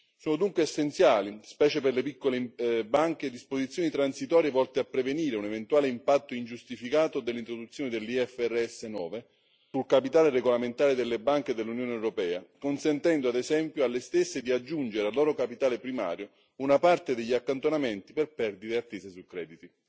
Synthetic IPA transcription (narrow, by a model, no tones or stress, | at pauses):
soːnod̪uŋkweːsːent̪sjaːlispɛːt͡ʃeperlepikːolebaŋk̟ed̪ispozit̪sːjoːnit̪ɾansit̪ɔːɾjevɔlt̪eapːɾeveniːɾeunevent̪uwaːleimpat̪ːoind͡ʒust̪ifikaːt̪od̪elːint̪ɾod̪ut̪sːjoːned̪elːiɛfːɛrːeɛsːenɔ̰ːve | sulkapit̪aːlereɡolament̪aːɾed̪elːebaŋked̪elːunjoːneɛewɾopɛːakonsent̪ɛnd̪oad̪ezɛmpjoalːest̪esːed̪iad͡ʒːund͡ʒeɾealːɔːɾokapit̪aːlepɾima̰ːɾjo | unapart̪ed̪eʎːiakːant̪onament̪iperpɛrd̪iɾeat̪ːeːsesukːɾɛ̰ːd̪it̪i